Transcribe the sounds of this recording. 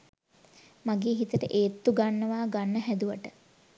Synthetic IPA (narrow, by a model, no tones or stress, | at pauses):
maɡeːɦit̪əʈəʔeːt̪ːuɡanːəʋaːɡanːəɦæd̪uʋəʈə